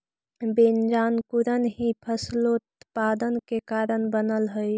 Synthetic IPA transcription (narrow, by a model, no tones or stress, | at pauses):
bend͡ʒankuɾənɦĩpʰəslot̪pad̪ənkekaɾənbənəlɦəj